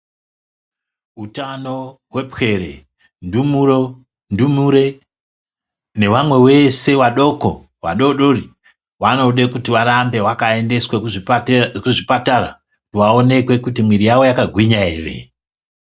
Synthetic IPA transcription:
utano̞ɦwe̞pxe̞ɾe̞̰ | ndumuɾo̞ | ndumuɾe̞ | ne̞ʋamwe̞we̞se̞ʋaɗo̞ko̞ | ʋa̰ɗo̞ɗori | wano̞ɗekutiʋaɾambe̞wakae̞nde̞swe | kuʐipatara̰ | kutiwao̞ne̞kwe̞kutimwiɾijawo̞jakaɡʱwiɲaeːrḛ

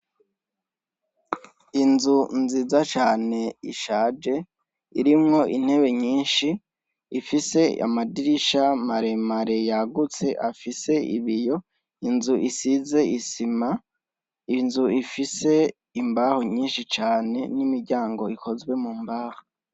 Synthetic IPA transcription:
inzunzizat͡ʃaːne̞iʃaːd͡ʒe̞ | iɾimŋo̞ʔin̥he̞βe̞ɲiːnʃi | ifise̞a̰madiɾiʃamaɾe̞maɾe̞jaɡut͡se̞ʔafise̞ḭβijo̞ | inzuʔisize̞ʔisima | inzuifise̞ | imbaːhoɲiːnʃit͡ʃaːne̞̰nimiɾɟaːŋɡo̞ikʰo̞zɡwe̞mumbaːhḁ

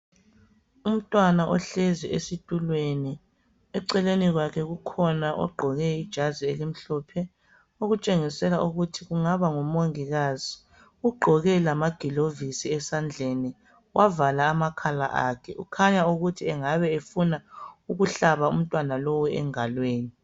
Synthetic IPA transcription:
um̩tʼwanaʔɔɬeziesitʼulweni | ɛǀɛleniɣwakʰɛɣukʰɔnaʔɔ̰ɡ͡ǃʱɔɣɛid̥ʒ̥ʱazielim̩ɬɔpʰɛ | oɣut͡ʃʼeŋisɛlaʔuɣutʰiɣuŋaβaŋɔmoŋiɣaz̥i | uɡ͡ǃʱɔɣɛlamaɡ̥ʱilovisiɛsand͡ɮʱɛni | wʔavalaːmakʰala̰ʔa̰kʰɛʔṵkʰaɲauɣutʰiɛŋaβɛefunauɣuɬaβaṵm̩tʼwanalowuɛ̰ŋalweːni

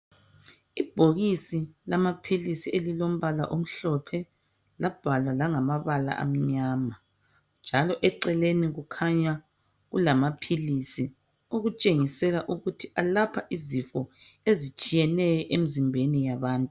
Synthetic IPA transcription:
ib̥ʱoɣisilamapʰilisielilom̩βala̰ʔom̩ɬɔpʰɛ | lab̥ʱalwalaŋamaβala̰ʔa̰m̩ɲaːma | nd͡ʒʱalɔʔɛǀɛleniɣukʰaɲa | ɣulamapʰilisi | oɣut͡ʃʼeŋisɛɣaʔuɣutʰiʔalapʰaʔizifɔ | ezit͡ʃʼijɛnɛjɔʔemizimbʱenijaβaːntʼu

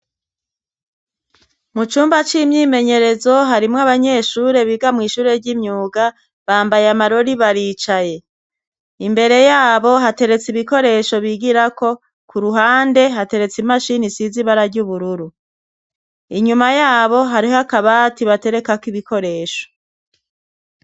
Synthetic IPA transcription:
mut͡ʃuːmbat͡ʃimɲiːme̞ɲe̞ɾe̞zo̞ɦaɾimŋaβaɲe̞ʃuːɾe̞βiɡamŋiːʃuːɾe̞ɾɟimɲuːɡa | βaːmbajamaɾo̞ɾiβaɾiːt͡ʃaje̞ | imbe̞ɾe̞jaːβo̞ɦate̞ɾe̞t͡siβiko̞ɾe̞ʃo̞βiːɡiɾako̞ | kuɾuɦaːnde̞ɦate̞ɾe̞t͡simaʃinisiziβaɾaɾɟuβuɾuɾu | iɲumajaːβo̞ɦaɾihoakaβatiβate̞ɾe̞kakiβikʰo̞ɾe̞ːʃo̞̥

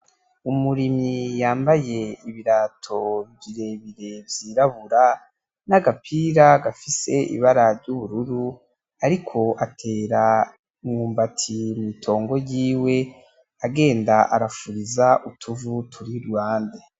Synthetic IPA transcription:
umuɾimijaːmbaje̞iβiɾatʰo̞viɾe̞βiɾe̞vjiːɾaβuɾa | naɡapʰiːɾaɡafise̞ʔḭβaɾaɾɟuβuɾuɾu | aɾikʰo̞ʔatʰe̞ːɾa | iŋŋuːmbatʰimitʰo̞ːŋɡo̞jiːwe̞ | aɡe̞ːndaʔaɾafuɾizaʔutʰuvutʰuɾiɾɡwaːnde

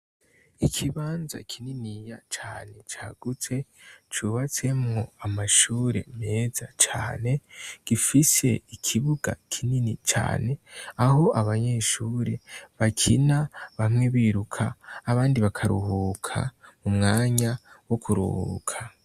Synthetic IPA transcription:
ikʰiβaːnza̰kʰininijat͡ʃaːne̞t͡ʃaːɡ̥ut͡se̞t͡ʃuβat͡se̞mŋo̞amaʃuːɾe̞̰me̞ːzat͡ʃa̰ːne̞ɡ̥ifise̞̰ikʰiβuɡa̰kʰininit͡ʃa̰ːne̞aho̞ʔaβaɲeʃuːɾe̞βakʰinaβamŋe̞βiːɾukʰaːβaːndiβakʰaɾṵhuːkʰa̰mumŋaːɲawokʰuɾṵhṵkʰa

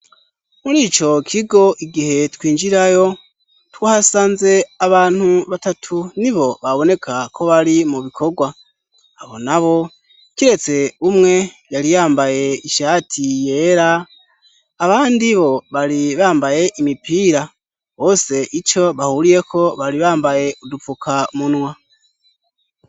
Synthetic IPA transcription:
muɾiːt͡ʃo̞kʰiɡo̞ʔiɡihe̞twiːnd͡ʒiɾajo̞ | twaːhasaːnze̞aβaːn̥huβatatʰuniβo̞βaβo̞ne̞kʰakʰo̞βaɾimuβikʰoɡwa | aβo̞̰naβo̞ | kiɾe̞t͡se̞umŋe̞ | jaɾijaːmbaje̞iʃaːtʰije̞ɾaː | βaːndiβo̞βaɾiβaːmbaje̞ʔimipiːɾa | βo̞ːse̞ʔit͡ʃo̞βahuɾije̞kʰo̞βaɾiβaːmbaje̞ʔudufukʰamunwa

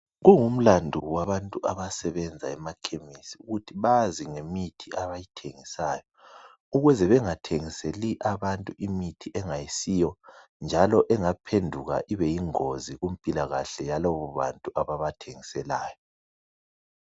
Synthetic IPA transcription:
ɣuŋum̩landʱuwaβantʼuʔaβasɛβɛnd͡zʱa̰ɛmakʰemisiuɣutʰiβaziŋemitʰiʔaβajitʰeŋisaːjɔ | uɣɛzɛβɛŋatʰeŋiseliʔaβantʼuʔimitʰiʔɛŋajisijɔ | nd͡ʒʱalɔʔɛŋapʰendʱuɣa̰ʔiβɛjiŋoziɣum̩pʼilaɣaɬɛjalɔβɔβa̰ntʼuaβaβatʰeŋisɛlaːjɔ

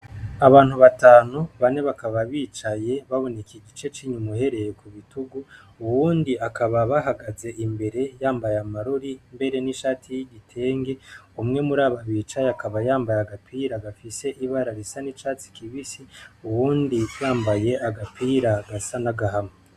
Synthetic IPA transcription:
aβaːn̥huβataːnuβane̞βakaβaβiːt͡ʃaje̞βaβo̞ne̞kiɟit͡ʃe̞t͡ʃiːɲumuhe̞ɾe̞jekuβituɡu | uwuːndiakaβaβaɦaɡaze̞ʔimbe̞ɾe̞jaːmbajamaɾoɾimbe̞ɾe̞niʃaːtʰijiɟitʰe̞ːŋɡe̞umŋe̞muɾaːβaβiːt͡ʃajakaβajaːmbajaɡapiːɾaɡafise̞ʔiβaɾaɾisanit͡ʃaːt͡si̥kʰiβisiuwuːnditβaːmbaje̞ʔaɡapʰiːɾaɡasanaɡaɦame

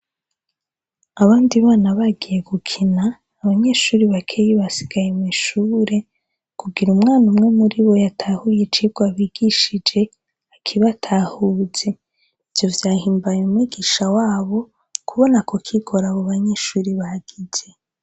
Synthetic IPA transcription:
aβaːndiβaːnaβaɡije̞ɡukʰinaː | βaɲe̞ːʃuːɾiβakʰeːjeβasi̥ɡ̥ajemiʃuːɾe̞ | kuɡiɾumŋaːnumŋe̞muɾiβo̞jatʰahujet͡ʃiɡwaβiːɡ̥iʃid͡ʒe̞ | akʰiβatʰahuːz̥e̞ | ivjo̞vjaːhiːmbajumwiːɡiʃawaːβo̞ | kʰuβo̞nakokʰiɡo̞ɾaβoβaɲe̞ːʃuːɾiβaɡ̥ize

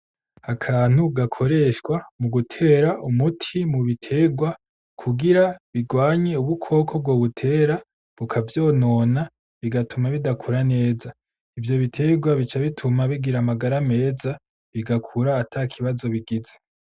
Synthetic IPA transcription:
akʰaːn̥uɡakʰo̞ɾe̞ʃkwamuɡutʰe̞ːɾaʔumutʰimuβitʰe̞ːɡwa | kʰuɡiɾaβiɡwaːɲe̞uβukʰo̞ːkʰob̚ɡwo̞ːβutʰe̞ːɾa | βukʰavjo̞ːno̞ːna | βiɡatumaβidakʰuɾane̞ːza | ivjo̞βitʰe̞ɡwaβit͡ʃaβitʰumaβiɡiɾamaɡaɾame̞ːza | βiɡakʰuɾaːtʰakʰiβazo̞βiɡize

